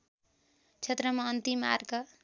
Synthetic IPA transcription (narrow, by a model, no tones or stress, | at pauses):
t͡sʰet̪rʌmaʌnt̪ima̰rkʌ